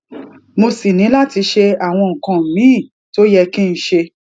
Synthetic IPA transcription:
mo˧si˨nĩ˨˦la˦ti˧˦ʃe˧a˨w̃ɔ̃˧ŋ̩̃˨kã˨m̩˨mĩ˨˦˨ | to˦jɛ˧kĩ˦n̩˦ʃe˧

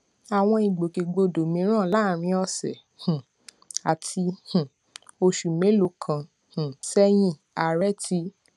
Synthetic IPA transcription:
a˨w̃ɔ̃˧i˨ɡ͡bo˨ke˨ɡ͡bo˧˨do˨mĩ˧˦ɾ̃ã˦˨la˦˨ɾ̃ĩ˧˦ɔ˧sɛ̰˨ | hũ˨ | a˨tʰi˧hũ˨ | o˧ʃu˨mẽ˨˦lo˧kʰã˨ | h̩˨sɛ˦j̃ĩ˧˨ | a˨ɾɛ˦tʰi˧˦

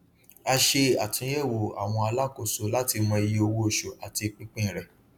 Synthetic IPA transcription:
a˧ʃe˧a˨tĩ˨˧˦jɛ˦˨wo˨a̰˨w̃ɔ̃˧a˧la˦ko˦˨so˨˦la˦ti˧mɔ̃˧e˧ji˧o˧wo˦˨ʃo˨ʔa˨ti˧k͡pĩ˦k͡pĩ˦˨ɾɛ˨

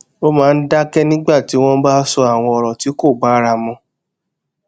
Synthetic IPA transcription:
o˦mãː˦˧n̩˦da˦kɛ˦nĩ˦ɡ͡ba˦˨ti˨˦w̃ɔ̃˦ba˦sɔ˧a˦˨w̃ɔ̃˧ɔ˨ɾɔ̃˨ti˨˦ko˦˨ɡ͡ba˨˦ɾa˧mɔ̃˧˦

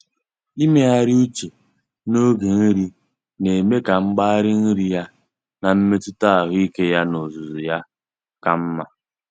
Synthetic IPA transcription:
i˦me˦a˦ɾɪ˦u˦t͡ʃe˨ | no˦ɡe˨n̩˦ɾi˦ | ne˨me˦ka˨ŋ͡m̩˦ɡ͡ba˦a˦ɾɪ˦n̩˦ɾi˦ja˦ | na˨m̩˦me˦tʊ˦ta˦a˨ɦʊ˦i˦ke˦ja˦no˨zu˨zu˨ja˦ | ka˦m̩˦ma˦

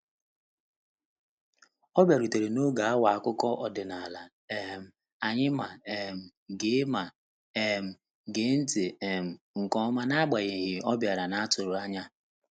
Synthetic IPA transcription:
ɔ˦bja˨ɾu˨te˨ɾe˨no˦ɡa˨a˦wa˨a˨kʊ˦kɔ˦ʔɔ˨dɪ˨na˨la˨ | e˨ɦm̩˨ | a˨ɲɪ˦ma˨e˨m̩˨ | ɡe˦ma˨ | e˨m̩˨ | ɡe˨˦n̩˦te˨e˨m̩˨ | ŋ̩˨kɔ˦ma˦na˦ɡ͡ba˨ɣe˨ɦɪ˨ɔ˦bja˨ɾa˨na˦a˦tʊ˨ɾʊ˨a˦ɲa˦

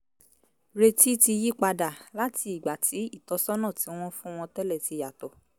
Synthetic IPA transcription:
ɾe˧ti˦ti˧ji˦k͡pa˧da˨la˦ti˧i˨ɡ͡ba˨tʰi˨˦i˦˨tɔ˨˦sɔ˦nã˦˨ti˨˦w̃ɔ̃˦fũ˦w̃ɔ̃˧tɛ˦lɛ˦˨ti˧ja˨tɔ˨

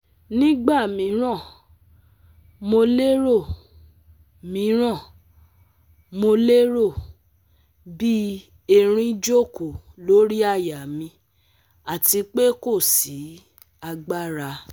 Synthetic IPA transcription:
nĩ˦ɡ͡ba˦˨mĩ˨˦ɾ̃ã˦˨ | mo˧le˦ɾo˦˨ | mĩ˨˦ɾ̃ã˦˨ | mo˧le˦ɾo˦˨ | bi˦ | e˦˧ɾ̃ĩ˧d͡ʒo˦˨ko˨lo˨˦ɾi˦a˦˨ja˨mĩ˧ | a˨ti˧k͡pe˦ko˦˨si˨˦ | a˧ɡ͡ba˦ɾa˧

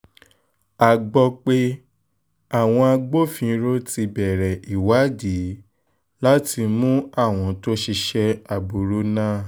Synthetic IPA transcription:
a˨ɡ͡bɔ˧k͡pe˦ | a˦˨w̃ɔ̃˧a˧ɡ͡bo˦fĩ˨˧˦ɾo˦ti˧bɛ˨ɾɛ˨i˨wa˨˦di˨˦ | la˦ti˧mũ˦a˦˨w̃ɔ̃˧˦to˦ʃi˧ʃɛ˧a˨bu˨ɾu˦nãː˦˨

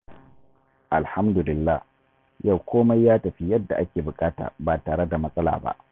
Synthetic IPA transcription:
ʔa˨lha˦mdʊ˨lɪ˨lːaː˦h | ja˦˨wkʷoː˦ma˦jːaː˦tɐ˨ɸi˦jɐ˦dːa˨ʔa˦kʲeː˨bʊ˨kʼaː˦ta̰ː˨baː˨taː˨ɽe˦da˨mɐ˦sʼɐ˦la̰ː˨ba̰˦ʔ

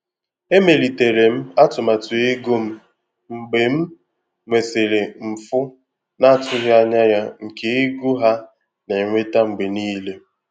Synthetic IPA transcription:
e˦me˨li˨te˨ɾe˨m̩˦a˦tʊ˨ma˨tʊ˨e˦ɡo˦m̩˦ | ŋ͡m̩˨ɡ͡be˨m̩˦ | ŋʷe˨se˨ɾe˨m̩˨fʊ˦ | na˦˨tʊ˦ɦja˦ɲa˦ja˦ŋ̩˨ke˨ɪ˦ɡu˦ɦa˦ | ne˨ŋʷe˦ta˦ŋ͡m̩˨ɡ͡be˨niː˦le˦

